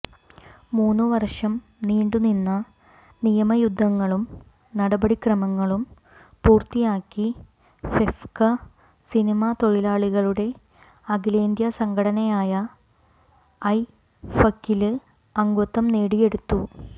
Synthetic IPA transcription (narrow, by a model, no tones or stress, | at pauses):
muːnːɨʋɐrʂɐm | niːɳɖuninːɐ | nijɐmɐjud̪ʱːɐŋːɐɭum | nɐɽɐbɐɽikrɐmɐŋːɐɭum | puːrt̪ijaːkːi | fefkɐ | sinimɐt̪o̞ɻilaːɭiɣɐɭuɽe̞ | ɐɡile̞ːnd̪jɐsɐŋɡʰʱɐɽɐnɐjaːjɐ | ɐj | fɐkːilɨ | ɐŋɡut̪ːɐmneːɽije̞ɽut̪ːu